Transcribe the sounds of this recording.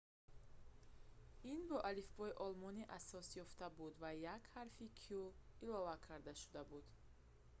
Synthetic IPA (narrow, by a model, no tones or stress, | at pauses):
inbɔʔalifbɔiʔɔlmɔniʔasɔsjɔft̪abud̪vajakhaɾfikʰiuilɔvakʰaɾd̪aʃu̥d̪abud̪̥